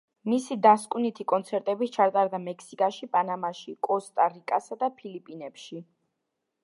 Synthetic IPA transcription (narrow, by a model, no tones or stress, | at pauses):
misid̪askʼunit̪ʰikʼɔnt̪sʰɛɾt̪ʼɛbit͡ʃʰaɾt̪ʼaɾd̪amɛkʰsikʼaʃipʼanamaʃikʼɔst̪ʼaɾikʼasad̪apʰilipʼinɛpʃi